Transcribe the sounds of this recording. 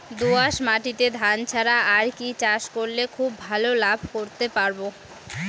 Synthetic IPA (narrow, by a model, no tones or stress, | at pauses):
d̪uaʃmaʈit̪ed̪ʱant͡ɕʰaɾaaɾkit͡ɕaʃkoɾlekʰubːʱalolabʱkoɾt̪epaɾbo